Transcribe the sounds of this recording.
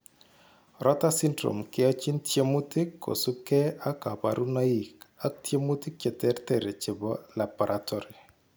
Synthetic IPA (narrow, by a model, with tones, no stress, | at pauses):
ɾɔ˦ta˦sɪ˦ndɾo̰˨mkɪ˦ɔ˦t͡ʃi˦ntje˦mu˦tɪ˦kːo̰˨su˦kɛ˦a˦ka˨pa̰˨ɾʔu˦na˦i˨ka˦k̚tje˦mu˦tɪ˦k̚t͡ʃɛ˨tɛ˦ɾtɛ˦˨ɾe˨t͡ʃɪ˨bɔ˦la˨bɔ˨ɾʔatʰɔ˦ɾɪ˨